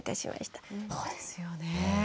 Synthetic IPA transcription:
t̪aɕḭmʔa̰ɕi̥t̪ḁsoːd̪esɨ̥jone

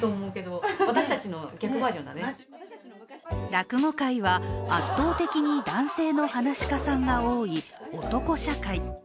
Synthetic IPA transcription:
t̪oːmo̞ɯ̟ke̞d̪o̞βat̪aɕi̥t̪at͡ɕino̞ɡʲakɯ̟baːʑõ̞nd̪a̰ne | ɾakɯ̟ŋo̞kaiβaat̪ːo̞ːt̪e̞kʲiɲ̟id̪ãɰ̃se̞ːno̞hanaɕi̥kasãŋɡao̞ːio̞t̪o̞ko̞ɕakai

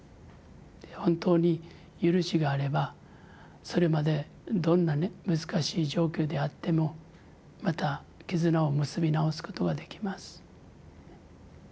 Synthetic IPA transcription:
ehõ̞nt̪o̞ːɲ̟i | jɯ̟ɾɯ̟ɕiɡaːɾe̞ba | so̞ɾe̞mad̪e̞ | d̪õ̞nːanemɯzɨkaɕiːʑo̞ːkʲo̞ːd̪e̞at̪ːe̞mo̞ | mat̪a | kʲizɨnaomɯsɨbʲinao̞sɨ̥ko̞̥t̪o̞ɡad̪e̞kʲi̥masɨ̥

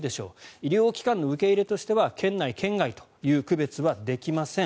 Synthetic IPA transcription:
d̪e̞ɕo̞̰ːiɾʲo̞ːkʲi̥kãnːo̞ɯ̟ke̞iɾe̞t̪o̞ɕi̥t̪e̞βakʰẽ̞nːaikʰẽ̞ŋɡait̪o̞̥jɯ̟ːkɯ̟be̞t͡sɨβad̪e̞kʲimasẽ̞

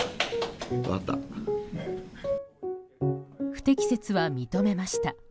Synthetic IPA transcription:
a̰t̪a̰ | ɸɯ̟̥t̪e̞kʲi̥se̞t͡sɨβamʲit̪o̞me̞maɕi̥t̪a

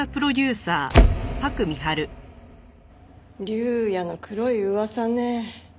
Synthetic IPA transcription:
apɯ̟ɾo̞d̪ʲɨːsaːpakɯ̟mʲiɦaɾɯ̟ | ɾʲɨjano̞kɯ̟ɾo̞iɯβasane

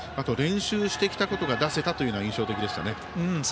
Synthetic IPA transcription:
at̪o̞ɾẽ̞ɰ̃ɕɨːɕi̥t̪ekʲi̥t̪ako̞t̪o̞ɡad̪ase̞t̪at̪o̞jɯ̟ːnĩɰ̃ɕo̞ːt̪e̞kʲid̪e̞ɕi̥t̪a̰ne | ɯ̃

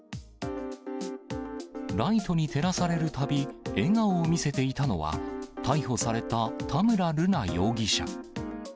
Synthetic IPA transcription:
ɾait̪o̞ɲ̟it̪ʰe̞ɾasaɾe̞ɾɯ̟t̪abʲie̞ŋaoːmʲise̞t̪e̞it̪ano̞βa̰t̪ʰaiho̞saɾe̞t̪at̪ʰamɯ̟ɾaɾɯ̟najo̞ːɡʲiɕa̰

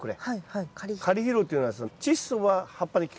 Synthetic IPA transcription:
kɯ̟ɾḛkkʰaɾʲiçiɾot̪eiɯnad̪esnt͡ɕisɨβahapːaɲikʲ

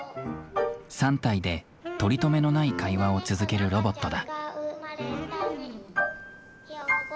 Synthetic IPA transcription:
sãnt̪aid̪e̞ | t̪o̞ɾʲit̪o̞me̞no̞naikaiβao̞t͡sɨzɨke̞ɾɯ̟ɾo̞bo̞t̪ːod̪a

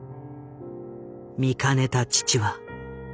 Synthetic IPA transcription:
mʲikane̞t̪at͡ɕi̥t͡ɕiβa

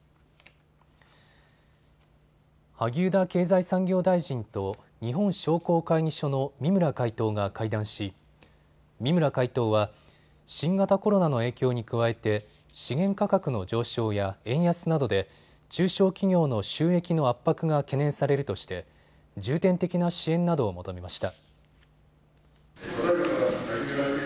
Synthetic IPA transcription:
haɡʲɨːd̪ake̞ːzaisãŋɡʲo̞ːd̪aiʑĩnt̪o̞ | ɲ̟iɦõ̞ɰ̃ɕo̞ːko̞ːkaiɲ̟iɕo̞no̞mʲimɯ̟ɾakait̪o̞ːɡakaid̪ãɰ̃ɕi | mʲimɯ̟ɾakait̪o̞ːβa | ɕĩŋɡat̪ako̞ɾo̞nano̞e̞ːkʲo̞ːɲ̟ikɯ̟βae̞t̪e̞ | ɕiɡẽ̞ŋkakakɯ̟no̞d͡ʑo̞ːɕo̞ːjaẽ̞ɰ̃jasɨnad̪o̞d̪e̞ | t͡ɕɨːɕo̞ːkʲiɡʲo̞ːno̞ɕɨːe̞kʲino̞apːakɯ̟ɡake̞nẽ̞ɰ̃saɾe̞ɾɯ̟t̪o̞ɕi̥t̪e̞ | d͡ʑɨːt̪ẽ̞nt̪e̞kʲinaɕiẽ̞nnːad̪o̞ːmo̞t̪o̞memaɕi̥t̪a

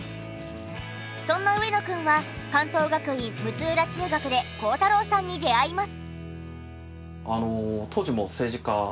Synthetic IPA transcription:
sõ̞nːaɯ̟e̞no̞kɯ̟̃ɰ̃βakãnt̪o̞ːɡakɯ̟ĩmmɯ̟t͡sɨːɾat͡ɕɨːɡakɯ̟d̪e̞ko̞ːt̪aɾo̞ːsãɲ̟ːid̪e̞aimasɨ̥ | anot̪ʰoːʑimo̞se̞ːʑika

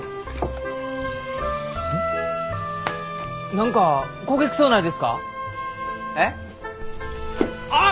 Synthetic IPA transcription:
nʌŋkakoɡek̚s͈onɦadesɯ̥k͈a̰ | ne | a

